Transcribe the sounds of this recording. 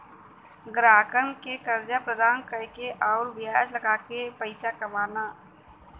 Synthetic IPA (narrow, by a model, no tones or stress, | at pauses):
ɡɾaːkənkekəɾd͡ʒapɾəd̪ʱaːnkəkeʔɔːɾbɪaːd͡ʒləɡaːkepəɪsakɐmaːnaː